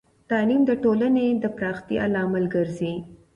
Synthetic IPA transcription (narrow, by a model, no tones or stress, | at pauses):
t̪ɑlimd̪əʈolaned̪əpɾɑxt̪ia̰lɑmalɡəɾzi